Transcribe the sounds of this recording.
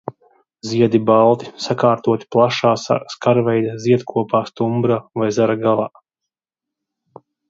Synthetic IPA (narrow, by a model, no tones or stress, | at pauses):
ziɛd̪ibalˠt̪i̥sakaːɾt̪uɔt̪i̥plˠaʃaːskaɾvɛjd̪aziɛd̪kʰuɔpaːst̪umbɾaːvajzaɾaɡalˠaː